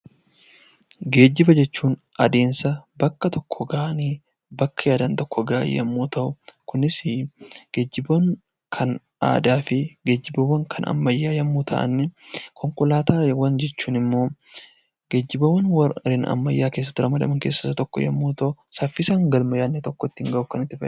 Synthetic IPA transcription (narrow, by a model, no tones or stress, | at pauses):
ɡe̞ːd͡ʒːɪbɐd͡ʒɛt͡ʃːuːn | ʔɐ̰d̪e̞ːnsɐbɐkːɐt̪ɔkʰːɔɡaːʔɐniː | bɐkːɐjaːd̪ɐnt̪ɔkːɔɡa̰ːj̰jɐ̰mːuːt̪ɐʔʊkʊnɪsɪɡ̥ed͡ʒːɪbɐn | kʰɐn | a̰ːd̪aːfɪɡeːd͡ʒːɪbɐwɐŋkʰɐnɐ̰mːɐjːaːjɐmːuːt̪ʰɐ̰ʔɐ̰nːɛkʰɔŋkʊlaːt̪aːwɐnd͡ʒɛt͡ʃːuːnɪmːo̞ː | ɡeːd͡ʒːɪbɐwɐnwɐɾɪnɐ̰mːɐjːaːke̞ːs̬ːɐ̥t̪ːɪɾɐmɐd̪ɐ̰mɐŋkeːsːɐ̥sɐt̪ɔkːɔ̰jɐ̰mːuːt̪ɐʔʊsɐfːɪsaːŋɡɐlmɐjaːnːɛt̪ɔkːɔt̪ːɪŋɡɐʔʊkɐnɪt̪ːɪfɐʔ